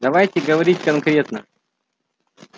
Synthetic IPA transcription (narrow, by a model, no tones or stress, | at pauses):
d̪ɐvajtʲɪɡəvɐɾʲitʲkɐnkɾʲe̞t̪nə